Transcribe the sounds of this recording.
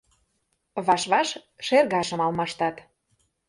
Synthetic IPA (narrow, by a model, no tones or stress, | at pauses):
βɑʃβɑʃʃerɣɑʃə̆mɑlmɑʃt̪ɑt̪